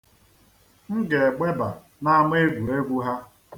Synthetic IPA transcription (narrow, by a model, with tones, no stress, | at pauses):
ŋ̩˦ɡe˨ɡ͡be˦ba˨ | na˦m˦e˦ɡʷu˨ɾe˦ɡʷu˦ɦa˦